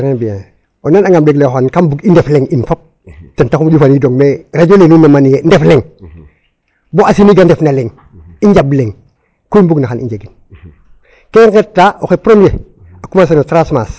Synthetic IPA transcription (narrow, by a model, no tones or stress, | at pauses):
nebija | onanaŋambeɡlexankambuɡindefleŋinfop̚ | tantakud͡ʒifanidoŋmeɾad͡ʒolenunːamanjendefleŋ | boasiniɡandefnaleŋ | iɲd͡ʒableŋ | koimbuɡnaxanʔḭɲd͡ʒaɡin | keŋketːaoxepɾome | akumas̬anotɾasmas